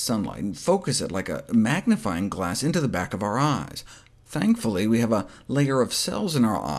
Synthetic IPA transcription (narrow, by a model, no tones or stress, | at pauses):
sʌ̃nla̰ɪtfoʊkɨsɨ̰tˡlaɪkɨ̰mæɡ̚nɨfaɪɪ̃ŋɡlæsɪ̃ntʉðəbækʌvaʊə˞aɪz̥ | θæ̃ŋkfl̩ˠiwiɨvəleɪə˞ʌv̥sɛ̰lˠzɨ̃naʊə̰˞ʔa̰